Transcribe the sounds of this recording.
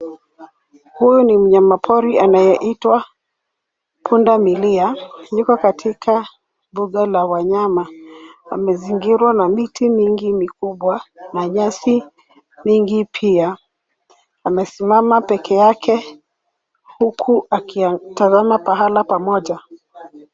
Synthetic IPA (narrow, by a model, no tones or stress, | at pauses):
hujunim̩ɲamapʰɔɾianajɛʔitwa | pʰundamiliaɲukakatʰikʰa | mbuɠalawaɲamaa̰mɛziŋɡiɾwanamitimiŋɡimikuɓwanaɲasi | miŋɡipʰia | amɛsimamapɛkʰɛjakʰɛ | hukʰuakitazamapaɦalapamɔʄa